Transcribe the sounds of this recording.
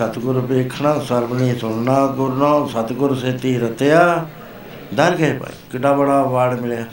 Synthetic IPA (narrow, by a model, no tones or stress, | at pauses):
ət̪ɡʊɾpeːkʰɳãːsəɾbniːsʊɳnãːɡʊɾnãːsət̪ɡʊɾseːt̪iːɾət̪ejaː | d̪əɾɡəeːpa̰ḭkɪɖãːbəɽaːʋaːɽmɪljaː